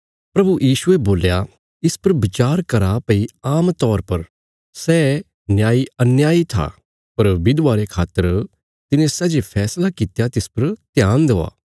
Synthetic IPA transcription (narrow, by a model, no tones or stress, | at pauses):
pɾɐbujiːsʊeboːlja | ɪspɐɾbɪt͡ʃaːɾkɐɾapɐiaːmt̪ɔːɾpɐɾ | sɛː | njaːiɐnjaːit̪ʰa̰ | pɐɾbɪd̪ʋaːɾekʰaːt̪ːəɾ | t̪ɪnẽsɛd͡ʒepʰɛːslakɪt̪jat̪ɪspɐɾt̪ɪjaːnd̪ea̰ː